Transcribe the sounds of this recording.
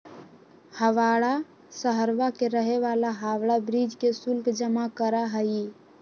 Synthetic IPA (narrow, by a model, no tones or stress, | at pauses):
həʋaːɽa | səɦəɾʋakeɾəɦeʋaːlaɦaːwɽabɾiːd͡ʒkesʊlkd͡ʒəmakəɾaɦəi